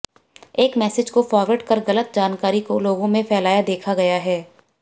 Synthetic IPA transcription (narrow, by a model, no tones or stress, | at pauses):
eːkmɛːsɪd͡ʒkofɔːɾʋəʈkɐɾɣɐlət̪̚d͡ʒaːnkaːɾikoloːɡõmẽfɛːlaːjad̪eːkʰaɡɐjaɦɛː